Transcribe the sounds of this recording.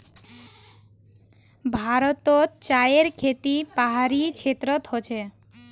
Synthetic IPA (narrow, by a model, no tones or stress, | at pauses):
bʱaɾot̪ott͡ɕajeɾkʰet̪ipaɦaɾit͡ɕʰet̪ːɾot̪ɦot͡ɕʰe